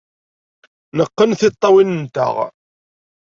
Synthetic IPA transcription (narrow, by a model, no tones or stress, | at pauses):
nəqːənθɪt̪ˤːɑwinənt̪ə̰ʁ